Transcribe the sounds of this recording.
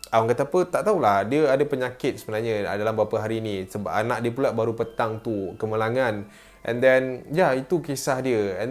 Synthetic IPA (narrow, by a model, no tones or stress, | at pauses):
ʔawaŋkat̪apət̪aʔt̪aɦulahdiəadapəɲãkɪt̪̚səbənarɲə̰̃dalambapaɦaɾinĩsəbapanaʔ̚diəpulaʔ̚baɾupət̪aŋt̪ukəməlaŋãn | ʔɛ̰ndɛnjait̪ukesahdiəɛn